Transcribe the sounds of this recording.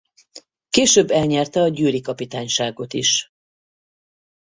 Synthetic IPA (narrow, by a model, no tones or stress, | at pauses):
keːʃøbːɛlɲɛrt̪ɛɒɟyːlikɒpit̪aːɲʃaːɡo̞t̪ḭʃ